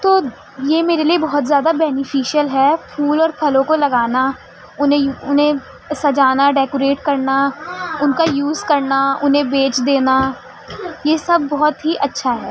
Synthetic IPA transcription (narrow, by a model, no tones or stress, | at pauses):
t̪oː | jeːmeːɾeliebɔɦɔt̪zjaːd̪abɛːnɪfiːʃijəlɦɛːpʰuːlɔːɾpʰɐlõkolɐɡaːna | ʊnẽʊnɦẽ | sɐd͡ʒaːnaɖɛːkoɾeːʈkɐɾnaʊnkajuːzkɐɾnaʊnɦẽbeːt͡ʃd̪eːna | jesɐb̚ʱːɔɦɔt̪ɦiʔɐtːʃʰaɦɛː